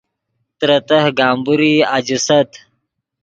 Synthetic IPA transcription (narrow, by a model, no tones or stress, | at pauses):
t̪ɾət̪ɐɦɡaːmbuɾiːad͡ʑisɐt̪